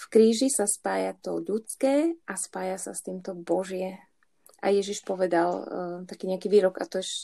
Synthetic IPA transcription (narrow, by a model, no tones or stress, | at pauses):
fkɾiːʒisaspaːjat̪ɔʎut͡skɛːʔaspaːjasa̰st̪iːmt̪ɔbɔʒɪɛ | ʔa̰jɛʒiʃpɔʋɛd̪alt̪akiːɲɛakiʋiːɾɔɡa̰t̪ɔʃ